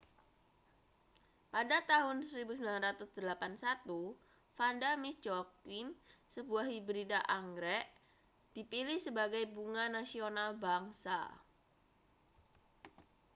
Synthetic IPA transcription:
padat̪aɦʊnsəɾibusəmbilanrat̪ʊsd̪̥əlapansat̪u | fandamɪst͡ʃɔkɪnsəbuahibɾidaʔaŋɡɾɛʔ | d̥ipilɪhsəbaɡajbuŋanasionalbaŋsa̰

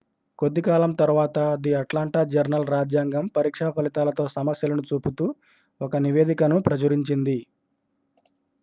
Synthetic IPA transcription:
ko̞d̪ːikaːlɐmt̪ɐɾuʋaːt̪ɐd̪iɐʈlaːɳʈaːd͡ʒɐɾnɐlɾaːd͡ʒjaːŋɡɐmpɐɾiːkʂaːpɐlit̪aːlɐt̪o̞ːsɐmɐsjɐlɐnut͡ʃuːput̪uː | ɔkɐniʋe̞ːd̪ikɐnupɾɐt͡ʃɐɾiɲt͡ʃind̪i

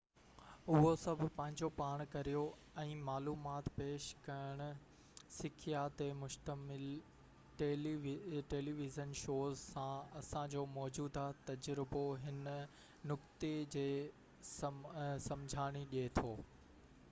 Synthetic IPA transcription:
ʊɦosɐbʱʊpɐ̃ɦɪ̃ɲd͡ʑopaːɽ̃kɐɾijo | ɛ̃ːmaːluːmaːt̪peːʃkɐjəɽ̃ʊ̆ | sɪkʰijat̪emʊʃt̪əmɪl | ʈeːlʋʈeːliːʋɪzənʃoːzsãɐsãd͡ʑoːmɔːd͡ʑuːd̪ʱat̪ɐd͡ʑɾɪboɦɪn | nʊkt̪ed͡ʑeː | ssɐ̃md͡ʑʱaːɽ̃iɗiet̪ʰoː

